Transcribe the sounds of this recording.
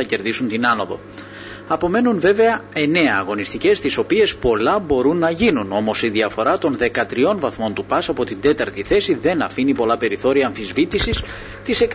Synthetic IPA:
ɐce̞ɾðisunt̪inɐno̞ðo̞̰ | ɐpo̞me̞nunve̞ve̞ɐe̞ne̞ɐːɣo̞nist̪ice̞st̪iso̞pie̞spo̞lɐbo̞ɾunːɐʝinuno̞mo̞siðiɐfo̞ɾɐt̪o̞nðe̞kɐt̪ɾio̞nvɐθmo̞nt̪upɐsɐpo̞t̪ind̪e̞t̪ɐɾt̪iθe̞siðe̞nɐfinipo̞lɐpe̞ɾiθo̞ɾiɐːɱfizvit̪isis | t̪ise̞k

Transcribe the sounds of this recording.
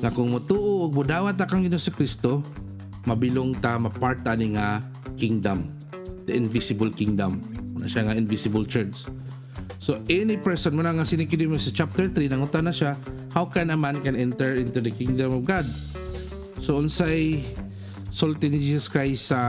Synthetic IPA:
ŋakʊŋmʊt̪uːʔoʔʊɡ̚mʊd̪aːwat̪̚ːakaŋɡɪnosɪkɾist̪o | mabɪlʊŋt̪amapaɹt̪̚ːaniŋa | kɪŋd̪am | t̪aʔɪnvɪsɪbəlkɪŋd̪ammʊnʔa̰ʃaŋaɪnvɪsɪbʊlt͡ʃɛɹt͡ʃ | soʔɛnipɛɹsɔnmʊnaŋasɪnɪkɪdɪmosat͡ʃap̚t̪ɛɹt̪ɾinaŋʊt̪anaʃa | hawkɛnɐmãnkɛnɛnt̪ɛɹɪ̃nt̪ud̪əkiŋd̪amɔvɡad̪̚ | soʔʊnsaj | solt̪ɪnid͡ʒisaskɹajstːa

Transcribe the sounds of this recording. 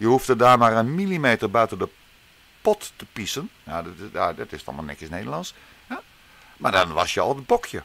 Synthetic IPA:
jəhuftədaːmarənmilimeːtərbœɥtəndə | pɔtːəpisənjaadɔtɪstɔ̰malˠnɪ̰kɪsneːdərlɑns | ja | madɔnʋɔsjəɔ̰lˠəbokʰjə

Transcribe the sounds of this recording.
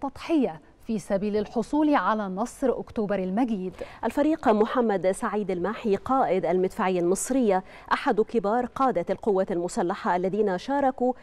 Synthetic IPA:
t̪ːɑt̪ˤħɪja | fiːsabiːlalħʊsˤuːlʕalaːnɑsˤɾʔʊkt̪uːbɑɾˤalmaɡiːd̪ʔalfɑɾiːqmʊħamːad̪saʕiːd̪almaːħiqɑːʔɪd̪almɪd̪faːʕɪjːalmɨsˤɾɪjːa | ʔaħad̪kɪbɑːɾˤqɑːd̪aalqʊwːaːalmʊsalːaħaʔalːaðiːnaʃɑːɾˤɑku

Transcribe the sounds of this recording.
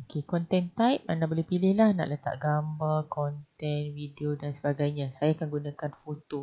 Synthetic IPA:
okekɔnt̪ɛnt̪ajp̚a̰nãʔbəlehpilɪhlahna̰ʔlət̪a̰ʔ̚ɡambarkɔnt̪ɛnwidiodansəbaɡajɲãsajaːkanɡunãkanfot̪o

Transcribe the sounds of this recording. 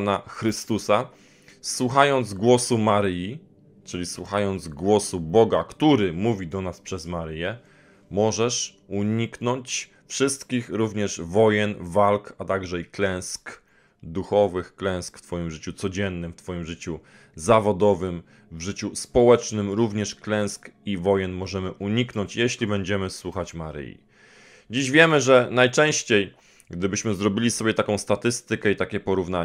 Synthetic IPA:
naxɾɘst̪usa | swuxajɔnd̪zɡwɔsumaɾɘji | t͡ʂɘlʲiswuxajɔnd̪zɡwɔsubɔɡakt̪uɾɘmuvʲid̪ɔnaspʂɛzmaɾɘjɛ | mɔʐɛʂ | uɲiknɔɲt͡ɕ | fʂɘst̪kʲixɾuvɲɛʂvɔjɛnvalkat̪aɡʐɛiklɛ̃w̃sk | d̪uxɔvɘxklɛ̃w̃skft̪fɔjimʐɘt͡ɕut̪sɔd͡ʑɛnːɘmft̪fɔjimʐɘt͡ɕu | zavɔd̪ɔvɘm | vʐɘt͡ɕuspɔwɛt͡ʂnɘmɾuvɲɛʂklɛ̃w̃skivɔjɛnmɔʐɛmɘʔuɲiknɔɲt͡ɕjeɕlʲibɛɲd͡ʑɛmɘswuxat͡ɕmaɾɘ̰jḭ | d͡ʑiʑvʲjɛmɘʐɛnajt͡ʂɛ̃w̃ɕt͡ɕej | ɡd̪ɘbɘɕmɘzɾɔbʲilʲisɔbʲjɛt̪akɔ̃w̃st̪at̪ɘst̪ɘkɛit̪akʲɛpɔɾuvna

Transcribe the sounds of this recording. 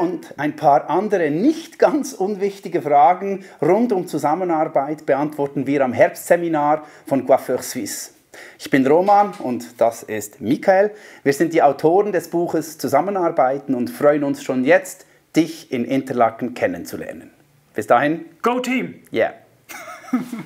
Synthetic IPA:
ʊndaɪnpʰaːɾʔandəʁənɪçtɡ̥ant͡sʊnvɪçtɪɡəfʁaːɡn̩ʁʊndʊmt͡suzamənaʁbaɪtb̥əantv̥ɔʁtn̩viːɾamɦɛɐɾpstz̥eminaːʁ | fɔnɡwaføχswɪs | ɪçb̥ɪnʁoːmanʊntd̥asɪstmikaɛlviːz̥ɪntd̥iːaʊtʰoːʁəndɛsb̥uːχəst͡suzamənaɐʁbaɪtn̩ʊntfʁ̥ɔʏənʊnsʃoːnjɛt͡st | d̥ɪçɪnʔɪntəlakn̩kʰɛnənt͡sulɛ̰ɐnən | b̥ɪsd̥aːhɪnɡ̥oʊtʰiːmja̰

